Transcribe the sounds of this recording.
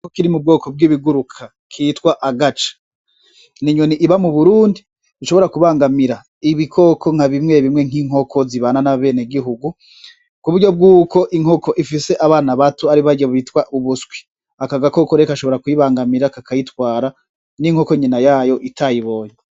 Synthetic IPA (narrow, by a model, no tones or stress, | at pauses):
okiɾimub̚ɡo̞ːkʰo̞b̚ɡiːβiɡuɾukʰa | kʰiːtkwaʔaɡat͡ʃḁ | niɲoniʔːβamuβuɾuːndi | βiʃo̞βo̞ɾakuβaːŋɡamiɾa | iβikʰokʰo̞ŋ̥haβimŋe̞βimŋe̞ŋ̥iŋɦo̞kʰo̞ziβaːnanaβe̞ːneɡiɦuɡu | kuβuɾɟo̞b̚ɡuːko̞ʔiŋhoko̞ʔifise̞ʔaβaːnaβatuaɾiβaɟeβuitwaʔuβusɡwi̥ | akaɡako̞koɾekaʃoβo̞ɾakujiβaːŋɡamiɾakakʰajitwaːɾa | niŋho̞koɲinajaːjo̞ʔitʰajiβo̞ːɲe